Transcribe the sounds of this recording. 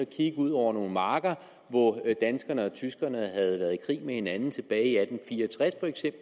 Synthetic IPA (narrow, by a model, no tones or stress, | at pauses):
ɒkʰiɡ̥əuð̞̰ˠɒʊ̰ɐno̝ːn̩mɑ̈ːɡ̥ɐ | ʋɒd̥ænsɡ̥ɐnəɒ̽t͡sʰysɡ̥ɐnəɦæð̞̩ˠʋæɐðˠikʰʁḭːmehe̝nænn̩t͡sʰe̝b̥ɛːɪiæd̥m̩fiːɐɒt͡sʰʁasfɒ̽eɡ̥sem̰b̥l